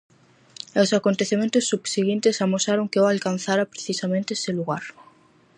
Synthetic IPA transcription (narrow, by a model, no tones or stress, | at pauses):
ewsakont̪eθemẽnt̪osːubsiɣint̪esamosaɾoŋkeoalkan̟θaɾapɾeθisamẽnt̪eseluɣaɾ